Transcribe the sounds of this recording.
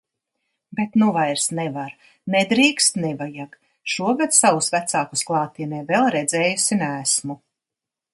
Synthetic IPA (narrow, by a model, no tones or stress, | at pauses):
bet̪nuvajɾsnɛvaɾ | ned̪ɾiːkst̪nɛvajaɡ | ʃuɔɡad̪sawusvæt̪saːku̥sklˠɑːt̪iɛnɛːvɛlˠɾɛd̪zɛːjusinæːsmu